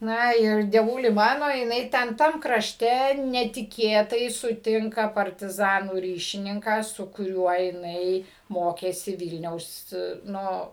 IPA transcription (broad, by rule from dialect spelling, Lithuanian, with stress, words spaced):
ˈnɐ ɪr dʲiɛˈʋʊlʲɪ ˈmɑːnoː jɪˈnɐɪ tʲɛn ˈtɐm krɐʃʲˈtʲɛ nʲɛtʲɪˈkʲeːtɐɪ sʊˈtʲɪŋkɐ pɐrʲtʲɪˈzɑːnuː ˈrʲiːʃʲɪnʲɪŋkɑː sʊ kʊˈrʲuɔ jɪˈnɐɪ ˈmoːkʲeːsʲɪ ˈʋʲiːlʲnʲɛʊs ˈnʊ